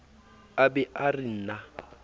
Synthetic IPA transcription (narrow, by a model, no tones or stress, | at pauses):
abɛʔarɪn̩na